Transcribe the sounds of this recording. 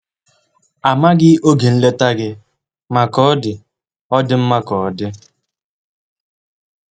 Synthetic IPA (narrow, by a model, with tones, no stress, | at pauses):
a˨ma˦ɡɪ˦o˦ɡe˨n̩˦le˦ta˦ɡɪ˦ | ma˨kɔ˨˦ɔ˦dɪ˨ | ɔ˦dɪ˦m̩˦ma˦kɔ˨ɔ˨dɪ˦